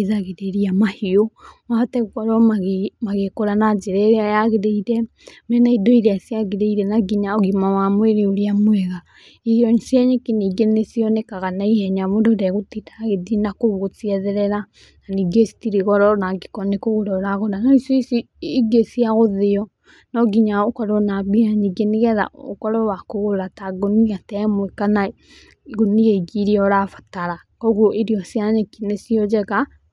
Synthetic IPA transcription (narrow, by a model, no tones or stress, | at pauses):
eðaɣeɾeɾiamahiomaatɛɣuɣɔɾɔmaɣemaɣekoɾanad͡ʒeɾɛajaɣeɾeiɾɛ | mɛnaidoiɾeasjaɣeɾeiɾɛnaɡiɲaoɣimawamweɾeoɾiamwɛɣa | iɔɲsiaɲekineɡenesiɔnekaɣanaihɛɲaβododɛɣotitaɣedinakoβuɣot͡siɛðɛɾɛɾa | naniɡesi̥tiɾeɣɔɾɔnaɡikɔnekoɣoɾɔɾaɣonanaisɔisi | iɡesiaɣoðeɔ | nɔɡiɲaokɔɾɔnabiaɲiɡeneɣɛða̰o̰kɔɾɔwakoɣoɾataɡoniɣatɛmwekana | ɡonieiɡiɾiɔɾafḁtaɾa | kɔɣoʔeɾiɔsjaɲekinesiɔd͡ʒɛɣa